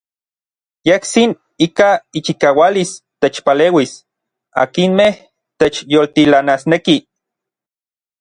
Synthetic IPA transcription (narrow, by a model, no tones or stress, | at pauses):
jehsin | ikait͡ʃikaːwalist̪et͡ʃpaleːwis | a̰kinmeh | t̪et͡ʃjolt̪ilanasneki